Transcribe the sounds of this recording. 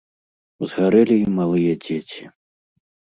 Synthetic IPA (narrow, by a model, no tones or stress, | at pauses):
zɣaɾɛlʲiimalˠɨjɐd͡zʲet͡sʲi